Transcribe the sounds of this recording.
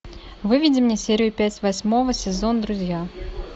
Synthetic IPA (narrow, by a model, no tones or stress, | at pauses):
vɨvʲɪdʲɪmnʲesʲeɾʲɪjʊpʲætʲvɐsʲmo̞vəsʲɪzo̞nd̪ɾʊzʲja